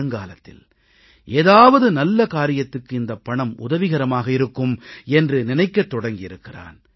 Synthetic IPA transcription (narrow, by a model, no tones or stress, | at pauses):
ɯŋɡaːlɐt̪ːɪ̰l | ʔeːðaːʋɐðɯnɐlːɐkaːɾɪjɐt̪ːɯkːɯɪnd̪ɐpːɐɳɐmʊ̰ðɐʋɪɣɐɾɐmaːɣɐɪɾɯkːɯmɛndrɯnɪnɐɪkːɐt̪ːɔɽɐŋɡɪjɪɾɯkːɪra̰ːn